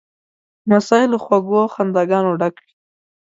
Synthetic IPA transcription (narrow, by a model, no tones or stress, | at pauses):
masɑɪloxwaɡwoxand̪aɡɑnoɖakwi̥